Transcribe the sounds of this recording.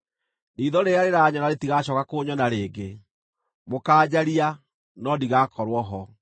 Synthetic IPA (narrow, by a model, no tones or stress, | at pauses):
niːðɔɾeaɾeɾaɲɔnaɾetiɣaɕɔːkakoːɲɔnaɾeːɡe | mokaːd͡ʑaɾia | nɔdiɣaːkɔɾwɔɦɔ